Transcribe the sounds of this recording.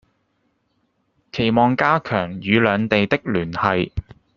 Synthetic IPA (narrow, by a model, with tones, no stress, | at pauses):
kʰe˨˩jmɔː˨ŋkaː˥kʰœː˨˩ŋjyː˨˧lœː˨˧ŋt̪e˨jt̪ɪ˥k̚lyː˨˩nhɐ˨˧j